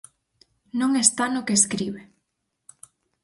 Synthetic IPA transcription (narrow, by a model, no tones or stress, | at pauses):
nõŋest̪anokeskɾiβe